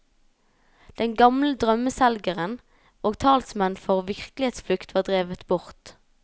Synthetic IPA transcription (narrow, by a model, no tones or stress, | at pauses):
d̪̥ɛnɡɑmləd̪ʁœməsælɡəʁən | ʔoːɡt̪ʰɑːlsmɛnfɔʁʋɪʁklɪeːt̪sflʉkt̪ʰʋɑːʁd̪ʁeːʋət̪bʊʁt̪